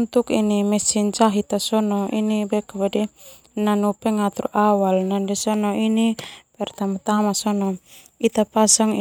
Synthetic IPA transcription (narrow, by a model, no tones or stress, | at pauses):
nt̪ukḭnimɛsind͡ʒaɦit̪asɔnɔḭnibɛkːabadi | nanupɛŋat̪ɾṵʔawalnandɛsɔnɔinipɛrt̪amat̪amasɔnɔ | it̪apasaŋ